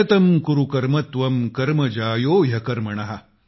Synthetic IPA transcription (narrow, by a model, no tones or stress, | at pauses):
ɐt̪ɐmkuɾukɐɾmɐt̪ʋɐmkɐɾmɐd͡ʒaːjoːjɐkɐɾmɐɳɐɦɐ